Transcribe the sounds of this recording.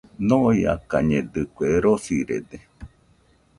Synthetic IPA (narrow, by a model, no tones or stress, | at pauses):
nõia̰ka̰ɲẽd̪ɨkʷeɾosiɾḛd̪e